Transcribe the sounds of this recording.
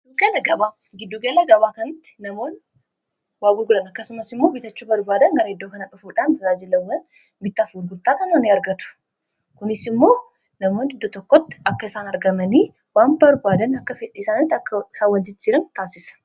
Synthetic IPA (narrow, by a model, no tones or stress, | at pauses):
ɡɪd̪uɡɐlɐɡɐbaː | ɡɪd̪ːuːɡɐlɐɡɐbaːkɐnɪt̪ːɪ̥nɐmo̞ːn | waːbʊɾɡʊᶑɐnɐkːɐsʊmɐsɪmːo̞ːbɪt̪ɐt͡ʃːuːbɐɾbaːd̪ɐŋɡɐɾɐɛd̪ːoːkɐnɐᶑʊfuːᶑaːnɾaːd͡ʒɪlɐwːɐn | bɪt̪ːafuːɾɡʊɾt̪aːkɐnɐnɪɐɾɡɐt̪ʊ̥ | kʊnɪsɪmːo̞ː | nɐmo̞ːnd̪ɪd̪ːɔt̪ɔkːɔt̪ːɪ̥ɐkːɐɪsaːnɐɾɡɐmɐniː | waːnbɐɾbaːd̪ɐnɐkːɐfɛᶑiːsaːnɪt̪ːɐkːɐɪsaːwɐld͡ʒɪt͡ʃːiːɾɐnt̪aːsɪsɐ̥